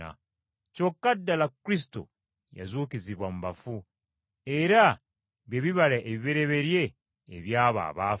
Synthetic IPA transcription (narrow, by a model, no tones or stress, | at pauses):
a̰ | co̞kːadːalakːɾis̬i̥to̰ | ja̰zuːciziβwam̩βafu | e̞ɾa | βjeβiβalaʔeβiβe̞ɾe̞βe̞ɾje̞̰ː | βjaːβa̰ːβaː